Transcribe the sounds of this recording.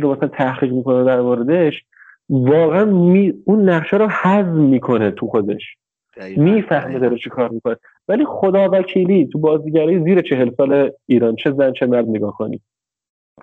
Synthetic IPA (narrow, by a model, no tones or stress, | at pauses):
ɾomæsæænt̪ʰæhχiːɣmiːkʰo̞næod̪æɾmoːɾed̪e̞ʃ | vɒːɣeænmiunːæχʃæɾohæzmiːkʰo̞net̪ʰuxo̞d̪e̞ʃ | miːfæhmed̪ɒːɾet͡ʃʰikʰɒːɾmiːkʰo̞ne | væliːxod̪ɒːvæcʰiːliːt̪ʰubɒːziːɟæɾɒːjiziːɾet͡ʃʰe̞ɦelsɒːleiːɾɒnt͡ʃʰe̞zænt͡ʃʰe̞mæɾd̪neɡɒːhkʰo̞nḭː